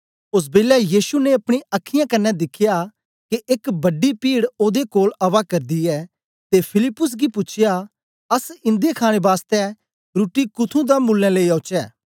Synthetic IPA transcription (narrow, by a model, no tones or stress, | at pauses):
ʊs̬beːlɛjiːʃuneɐpɽ̃ĩɐkʰːɪjãkɐnːɛd̪ɪkʰːɪja | keʔɪkbɐɖipiːɽoːd̪ekoːlɐʋakɐɾd̪iɛː | t̪epʰɪlɪpːʊs̬ɡipʊt͡ʃʰɪja | ɐsɪ̃nd̪ekʰaːɽ̃ebaːst̪ɛ | ɾuʈːikʊt̪ʰũd̪amʊlːɛ̃leiɐʊt͡ʃɛː